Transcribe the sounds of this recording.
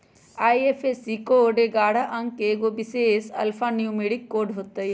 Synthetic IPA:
aːjefʰesikoːɖeɡaːɽaʔɐŋkeɡobiseːsɐ̰lfʰanijumeːɽikːoːɖɦot̪ːɐj

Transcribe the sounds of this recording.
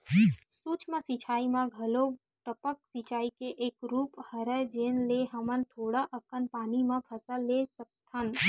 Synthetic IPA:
suːt͡ʃmãsit͡ʃʰaːimãɡʱəlo | ʈəpək̚sit͡ʃaːikeʔekɾuːphəɾəd͡ʒenleɦəmənt̪ʰoːɽaʔəkənpaːnimãpʰəsəlːesək̚t̪ʰən

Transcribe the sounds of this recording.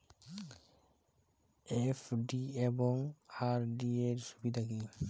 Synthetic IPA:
efʰɖiebɔŋaɾɖieɾsubid̪ʱaki

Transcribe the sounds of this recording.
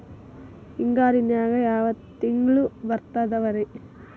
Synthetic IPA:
iŋɡaːɾinjaːɡɐjaːʋɐt̪ːiŋɡɭuʋɐɾt̪ɐd̪ɐʋɐɾe

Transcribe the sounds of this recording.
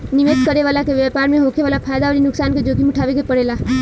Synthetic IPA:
niʋed̪kəɾeʋaːlakeʋjapaːɾmẽɦoːkʰeʋaːlapʰaːjd̪aʋəɾinʊksaːnked͡ʒoːɡimuʈʰaːʋekepəɽela

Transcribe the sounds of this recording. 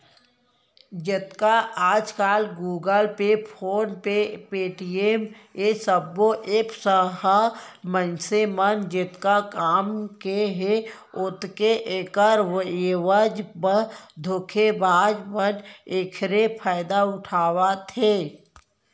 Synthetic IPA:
d͡ʒɪt̪kaʔaːd͡ʒkaːlɡuːɡəlpepʰoːnpepeːʈiemesəbːoʔeːksəɦəmənsemənd͡ʒɪt̪kakaːmkeɦe | ʊt̪keʔekəɾʋeʋəd͡ʒbəd̪ʱʊkʰebʱaːd͡ʒmənekʰɾepʰaːɪd̪aʊʈʰaːwat̪ʰe

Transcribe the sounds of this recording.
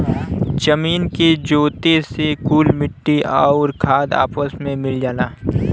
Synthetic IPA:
t͡ʃəmiːnked͡ʒoːt̪esekuːlmɪʈːiaʊɾkʰaːd̪a̰ːpəsmẽmɪld͡ʒaːlaː

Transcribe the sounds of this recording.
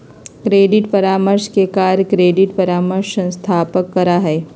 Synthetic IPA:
kɾeːɖɪʈpɐɾaːməɾʃkekaːɾkɾeːɖɪʈpɐɾaːməɾʃə̃nst̪ʰaːpəkːɐɾaɦɛː

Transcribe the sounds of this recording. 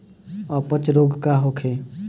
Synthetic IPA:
ɔpət͡ʃɾoɡkaɦokʰe

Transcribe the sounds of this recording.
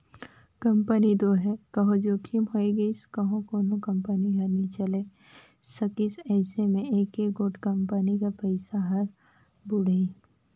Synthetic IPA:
kɐ̃mpənid̪oːɦɛkɐɦõd͡ʒoːkʰimɦoːiɡɐiskɐɦõkoːnõkɐ̃mpəniɦɐɾnit͡ʃɐleː | sɐkisɛːsemẽeːkeːɡoːʈkɐ̃mpənikapɐɪsaɦɐɾ | bʊɽei

